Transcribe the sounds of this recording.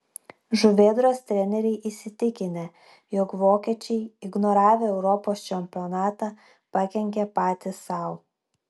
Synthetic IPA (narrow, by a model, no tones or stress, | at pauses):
ʒʊʋʲeːd̪ɾoːst̪ʲɾʲɛnʲɛɾʲɛɪʔisʲɪt̪ʲɪkʲɪnʲe | jɔkʋoːkʲɛt͡ʃʲɛɪɪɡnɔɾɑːʋʲeɛʊɾɔːpoːst͡ʃʲɛmʲpʲɪɔnɑːt̪ɑ | pɐkʲɛŋʲkʲɛpɑːt̪ʲɪsɑˑʊ